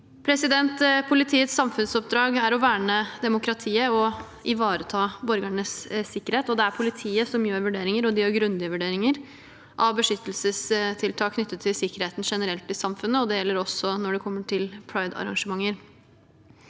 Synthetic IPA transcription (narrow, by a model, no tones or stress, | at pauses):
pʰɾɛsɪd̪ɛnt̪pʰʊlɪt̪ʰiːət̪sːɑmfʉnsɔp̚d̪ɾɑːɡæɾɔʋæːɳəd̪ɛmʊkʰɾɑt̪ʰiːəɔ | ʔɪʋɑːɾət̪ʰɑːbɔɾɡæɳəssɪkːəɾheːt̪ɔd̪ɛæɾpʰʊlɪt̪ʰiːəsɔmjøːɾʋʉɖeːɾɪŋəɾɔd̪ɪjøːɾɡɾʉnd̪ɪəʋʉɖeːɾɪŋəɾ | ʔɑʋbəʂʏt̪ːəlsəst̪ʰɪlt̪ʰɑːkʰnʏt̪ːət̪ʰːɪlsɪkːəɾheːt̪n̩ʂɛnəɾɛlt̪ːɪsɑmfʉnːəɔd̪ɛjɛlːəɾɔsːɔnɔɖɛkʰɔmːəʈʰɪlpʰɽɑɪd̪ɑ̰ɾɑ̰ŋʂəmɑŋːəɾ